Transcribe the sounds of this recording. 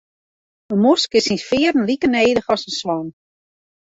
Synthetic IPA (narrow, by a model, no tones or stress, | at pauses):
əmʊskɪsinsfɪːəɾən̩likəneːdəxɔsənsʋɔn